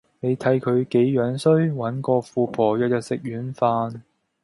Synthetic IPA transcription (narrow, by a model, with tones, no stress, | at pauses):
ne˨˧jt̪ʰɐ˨˥jkʰɵ˨˧ɥke˨˥jjœː˨˥ŋsɵ˥ɥwɐ˨˥nkɔː˧fuː˨˧pʰɔː˨˩jœː˨k̚jɐ˨t̚sɪ˨k̚ɥyː˨˥nfaː˧n